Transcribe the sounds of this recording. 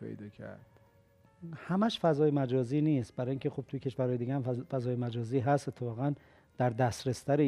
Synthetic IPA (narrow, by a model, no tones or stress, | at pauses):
pʰḛjd̪ɒːkʰæ̰ɾd̪̥ | hæmæʃfæzɒːjemæd͡ʒɒːziːniːst̪̚bæɾɒːjiːŋkcʰexob̚t̪ʰujecʰe̞ʃvæɾhɒːjeiːɡæhæmfæzɒːjemæd͡ʒɒːziːɦæst̪et̪ʰːe̞fɒːɣæn | d̪̥æɾd̪æst̪ɾest̪æɾe